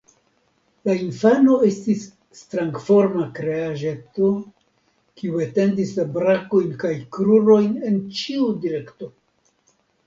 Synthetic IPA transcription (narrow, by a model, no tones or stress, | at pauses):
lainfano̞e̞stisː | tɾaŋɡfo̞ɾmakɾe̞aʒe̞to̞ | kiuete̞ndislabɾako̞jnkajkɾuɾo̞jne̞nt͡ʃiudiɾe̞kto̞